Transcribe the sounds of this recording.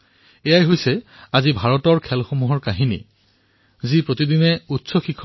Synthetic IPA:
ɛjajɦojsɛazibʱaɹɔtɔɹkʰɛlxomuɦɔɹkaɦinḭ | zipɹotidinɛutsɔxikʰː

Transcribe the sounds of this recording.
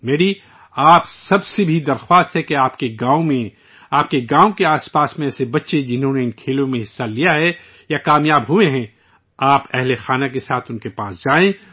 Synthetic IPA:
meːɾi | aːpsɐbsebʱid̪ɐɾxwaːst̪ɦɛkeaːpkeɡaːõmẽ | aːp̚keɡaːõkeaːspaːsmẽɛːsebɐtːʃed͡ʒɪnɦõneɪnkʰeːlõmẽɦɪsːalijaɦɛ | jakaːmjaːbɦʊẽɦɛ̃ | aːpɛɦlexaːnakesaːt̪ʰʊnkepaːsd͡ʒaːẽ

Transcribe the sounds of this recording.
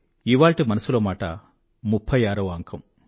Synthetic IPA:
iʋaːɭʈimɐnɐsuloːmaːʈɐ̰ | mupʰːɐjaːɾɐʋaːŋkʰɐm

